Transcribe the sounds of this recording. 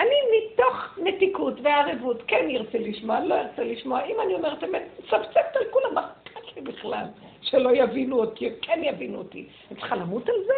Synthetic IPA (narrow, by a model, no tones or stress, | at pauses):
animitoχmetikutveaʁevutkenjiʁt͡seliʃmoalo̞jiʁt͡seliʃmoaimanio̞meʁtemetsavt͡sek̚t̪alkulamaʁtatlibiχla̰l | ʃelo̞javinuotikʰenjavinuotḭ | ant͡sχalamutalze